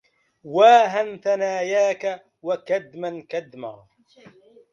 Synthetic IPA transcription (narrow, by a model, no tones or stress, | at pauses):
waːɦanθanaːjaːka | wakad̪mankad̪ma̰ɣ